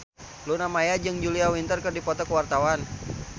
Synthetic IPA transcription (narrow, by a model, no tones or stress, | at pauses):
lunamajad͡ʒɨŋd͡ʒuliawint̪ərkɨrdipɔt̪ɔkəwart̪awan